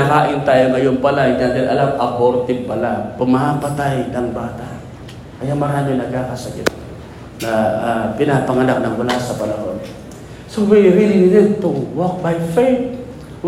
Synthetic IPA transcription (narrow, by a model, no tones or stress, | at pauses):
akaːʔɪnt̪aːjoŋɐjonpɐlaɪŋɡad̪ɪlʔɐlamɐpoɾt̪ɪb̚pɐlapʊmapɐt̪ajnɐŋbaːt̪a | kɐjaŋmɐɾaːmɪnɐɡ̚kakasɐkɪt̪ | nɐpɪnapɐŋɐnak̚nɐŋwɐlasɐpɐnɐɦon | sowɛjɾililɛt̪ːʊŋwok̚bajfɛj | w